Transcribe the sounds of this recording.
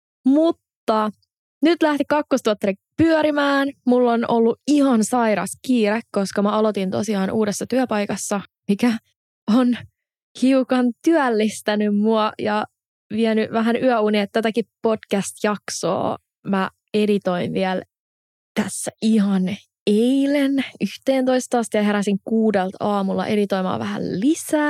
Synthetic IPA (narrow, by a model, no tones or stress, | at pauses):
mut̪ːɑ | nyt̪læht̪ikɑkːost̪uoɑt̪ːɾikpyœɾimæːnmulːonolːuihɑnsɑjɾɑskiːɾekkoskɑmæɑlot̪int̪osiɑːnʔuːdesːɑt̪yæpɑjkɑsːɑ | mikæ | on | hiukɑnt̪yælːist̪ænymmuɑjɑ | ʋiɛnyʋæɦænyœuniet̪ːæt̪ækippodkæst̪jɑkso̰ː | mæ | edit̪oinʋiɛl | t̪æsːæʔiɦɑn | eilenyht̪eːnt̪oist̪ɑst̪iɑɦeɾæsiŋkuːdelt̪ʰɑːmulːɑ̰ʔedit̪oimɑ̰ːʋæhæ̰llisæː